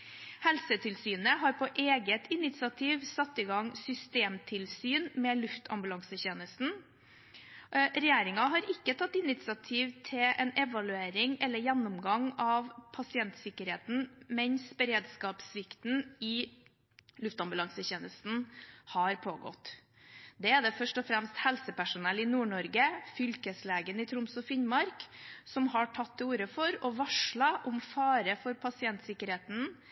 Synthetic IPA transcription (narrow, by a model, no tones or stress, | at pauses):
hɛlsət̪ʰɪlsyːnəɦɑɾpʰɔʔeːɡət̪ɪnɪt̪sɪɑt̪ʰiːʋsɑt̪ːiːɡɑŋsʏst̪eːmt̪ʰɪlsyːnmɛːlʉft̪ʰɑ̰mbʉlɑŋsəçeːnəst̪n̩ | ɾɛjeːɾɪŋɑɦɑɾɪkːət̪ʰɑt̪ːɪnɪt̪sɪɑt̪ʰiːʋt̪ʰɪʔɛnɛʋɑlʉeːɾɪŋɛlːəɾjænːʊmɡɑŋɑʋpʰɑsɪɛnt̪sɪkːəɾheːt̪n̩mɛnsbəɾeːd̪skɑːpsʋɪkt̪n̩ɪ | lʉft̪ɑmbʉlɑŋsəçeːnəst̪n̩hɑɾpʰoːɡɔ̰t̪ː | d̪ɛæd̪ɛfœʂʈɔfɾɛmst̪hɛlsəpæʂʊnɛlɪnuːɳɔɾɡəfʏlkəsleːɡənɪt̪ʰɾʊmsɔfɪnmɑɾksɔmhɑʈʰɑt̪ːɛuːɾəfɔɾɔʋɑʂɭɑʔɔmfɑːɾəfɔɾpʰɑsɪɛnt̪sɪkːəɾheːt̪n̩